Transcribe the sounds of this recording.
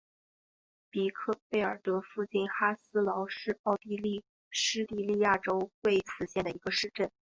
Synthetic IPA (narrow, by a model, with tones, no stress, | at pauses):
pi˨˩kʰɤ˥˧pe˥˩ɪə˞˨˩t̪ɤ˧˥fu˥˧t͡ɕi˥˩nxa˥sɹ̩˥lɑ˧˥ʊʂɻ̩˥˧ɑ˥˩ʊt̪i˥˧li˥˩ | ʂɻ̩˥t̪i˥˧li˥˧ja˥˩ʈ͡ʂo˥ʊtwe˥˩ɪt͡sʰɹ̩˨˩ɕjɛ˥˩nd̪ə˩i˧˥ɡə˧ʂɻ̩˥˧ʈ͡ʂə˥˩n